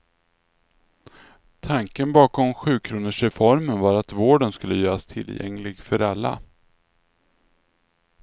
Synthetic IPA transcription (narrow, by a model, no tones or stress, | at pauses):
t̪ʰaŋkənbɑːkɔmɧʉ̟ːkʰɾuːnəʂɾɛfɔɾmənvaɾat̪voːɖənskɵlːəjœːɾast̪ʰɪ̰lːjɛ̰ŋlɪɡfœɾalːa̰